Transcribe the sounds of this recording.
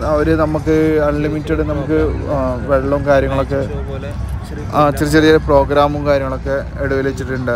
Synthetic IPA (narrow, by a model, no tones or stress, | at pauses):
ɐʋɐɾenɐmːukːɨɐɭːimitːɐɽɨnɐmukːɨʋe̞ɭːɐumkaːɾjɐŋːɐɭo̞kːe̞ | t͡ɕirit͡ɕːɐlɐjilepro̞ːɡɾaːmumkaːɾjɐŋːɐɭo̞kːe̞ | eɽuʋilet͡ɕːiʈːuɳɖɨ